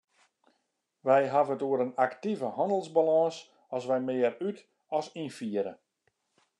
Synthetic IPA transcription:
ʋɛjɦavəətuəɾənaktivəhɔndəlˠzbalɔːs | ɔsʋɛjmɪəɾyt | ɔsinfiəɾə

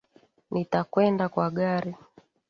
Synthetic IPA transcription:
nitakwɛndakwaɠaɾi

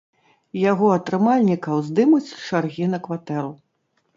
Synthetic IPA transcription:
jaɣɔɐt̪ɾɨmalʲnʲikɐwzd̪ɨmut͡sʲt͡ʂarɣʲinɐkvat̪ɛɾu

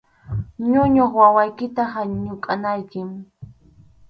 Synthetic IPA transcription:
ɲʊɲoχwawajkɪt̪ahaɲʊkʼanajkɪm

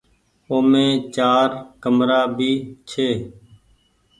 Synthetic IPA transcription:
oːmẽːt͡ʃaːɾkəmɾaːbʱiːt͡ʃʰeː

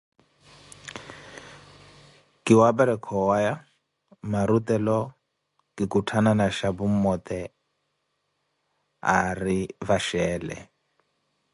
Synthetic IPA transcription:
kiwabaɾɛkʰɔwaja | maɾut̪ɛlɔ | kikutʰananaʃabumɔt̪ɛ | a̰ɾivaʃɛːlɛ̰

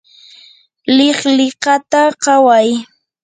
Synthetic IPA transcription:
lɪχlɪqɑt̪aɢɑwaj

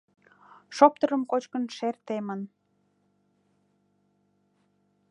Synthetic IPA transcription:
ʃop̚t̪ə̆ɾəmkot͡ɕkənʃert̪emən

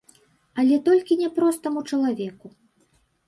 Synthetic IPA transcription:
ɐlʲɛt̪ɔlʲkʲinʲɛpɾɔst̪ɐmut͡ʂɐlˠavʲɛku

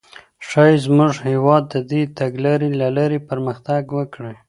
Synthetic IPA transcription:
ʂɑjzmʊʐhewɑd̪ːəd̪et̪aɡlaɾilalaɾepəɾməxt̪aɡwəkɽe

